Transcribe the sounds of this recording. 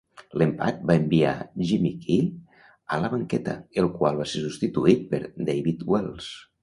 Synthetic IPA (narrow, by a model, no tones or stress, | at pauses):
lempa̰t̪̚baembia̰ʒimikʰi | ələβəŋkɛt̪ə̰elˠkwalˠβasesust̪it̪uit̪̚pəɾd̪ejβit̪wɛlˠs